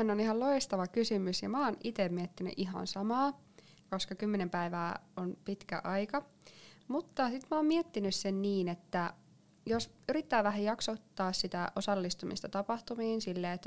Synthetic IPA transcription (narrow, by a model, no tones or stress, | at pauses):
ænːoniɦɑlloist̪ɑʋɑkysymysjɑmɑːnit̪emmiet̪ːiny̰ʔiɦɑ̰nsɑmɑː | koskɑkymːenempæiʋæːonpit̪kæ̰ʔɑjkɑ | mut̪ːɑsit̪mɑɑːmmiet̪ːinyssenniːnet̪ːæ | jos | yɾit̪ːæːʋæɦæjɑksot̪ːɑːssit̪æʔosɑlːist̪umḭst̪ɑt̪ɑpɑht̪umiːnsilːeːet̪ːæ